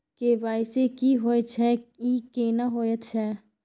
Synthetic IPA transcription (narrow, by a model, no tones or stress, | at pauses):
kebaːɪsekiɦoːet͡ʃʰɛikeːnaɦoːjət̪t͡ʃʰɛ